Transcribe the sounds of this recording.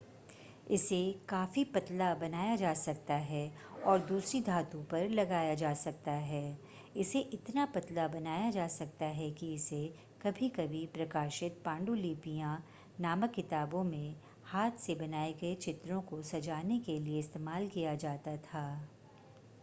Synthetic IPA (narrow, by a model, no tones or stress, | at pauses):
ɪsekaːfipɐt̪labɐnaːjad͡ʒaːsɐk̚t̪aɦɛ | ɔːɾd̪uːsɾid̪ʱaːt̪ũpɐɾlɐɡaːjad͡ʒaːsɐk̚t̪aɦɛː | ɪseʔɪt̪napɐt̪labɐnaːjad͡ʒaːsɐk̚t̪aɦɛkiɪse | kɐbʱikɐbʱipɾɐkaːʃɪt̪̚pãːɳɖuliːpijã | naːməkːɪt̪aːbõmẽ | haːt̪ʰsebɐnaːeɡɐet͡ʃɪt̪ɾõkosɐd͡ʒaːnekelieɪst̪eːmaːlkijad͡ʒaːt̪at̪ʰaː